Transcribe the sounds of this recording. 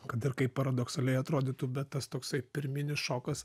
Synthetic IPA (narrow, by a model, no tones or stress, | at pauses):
kɐt̪ɪrkɐɪpɐɾɐd̪oksɐlʲɛɪɐt̪ɾoːd̪ʲit̪ubʲɛt̪t̪ɐst̪oːksɐɪpʲɪɾʲmʲɪnʲɪsʃoːkɐs